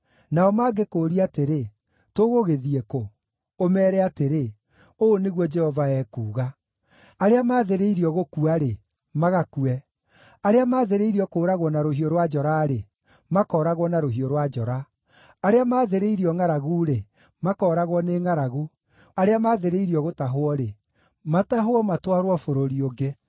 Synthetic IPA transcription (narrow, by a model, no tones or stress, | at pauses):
naɔmaːɡekoːɾiateɾe | toɣoɣeðiekoː | mɛːɾɛateɾe | oːneɣwɔd͡ʒɛhɔvaɛːkuːɣa | aɾeamaːðeɾeiɾiɔɣokuaɾe | maɣakuɛ | aɾeamaːðeɾeiɾiɔkoːɾaɣwɔnaɾoɦioɾwad͡ʒɔɾaːɾe | makɔːɾaɣɔnaɾoɦioɾwad͡ʒɔɾa | aɾeamaːðeɾeiɾiɔŋaɾaɣuːɾe | makɔːɾaɣwɔneːŋaɾaɣu | aɾeamaːðeɾeiɾiɔɣotaɦoɔɾe | mataɦwɔmatwaɾwɔfoɾoɾioɡe